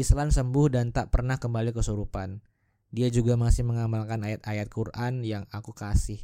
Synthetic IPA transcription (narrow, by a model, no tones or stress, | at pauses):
islansəmbʊhdant̪aʔpərnahkəmbalikəsuɾupan | diad͡ʒuɡamasɪhməŋamalkanajat̪̚ajat̪̚kurʔanjaŋakukasɪh